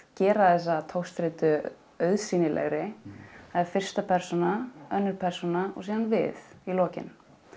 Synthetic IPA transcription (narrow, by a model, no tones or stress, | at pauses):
cɛːɾaðɛs̬ːat̪ʰowst̪ɾɪt̪ʏ | œɥðsiːnɪlʔɛ̰ɣɾɪ | ɛɾfɪr̥st̪apʰɛɾ̥sɔnaœnːʏɾpʰɛr̥sunaɔ̰ɣsiːðanvɪ̰ðilɔːcɪ̰n